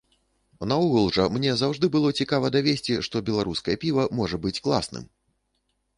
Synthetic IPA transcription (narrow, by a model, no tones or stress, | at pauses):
nauɣɐlˠʐɐmnʲɛzawʐd̪ɨbɨlˠɔt͡sʲikavɐd̪avʲesʲt͡sʲiʂt̪ɔbʲɛlˠaɾuskɐjɐpʲivɐmɔʐɐbɨt͡sʲklˠa̰snɨ̰m